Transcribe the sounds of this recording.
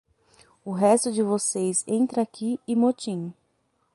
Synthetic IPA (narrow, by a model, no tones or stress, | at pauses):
ʊɦɛst̪ʊd͡ʒɪvosejzẽnt̪ɾɐakiɪmot͡ʃĩ